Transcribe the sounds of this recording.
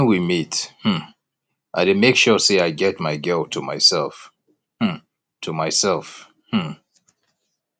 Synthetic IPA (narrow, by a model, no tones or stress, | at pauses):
nwimithm̩ | ʔaɪɾɨmeɪkʃɔseɪaɪɡɛt̚maɪɡɜltʰəmaɪsɛlˠf | h̩ | tʰumaɪsɛlˠf | h̩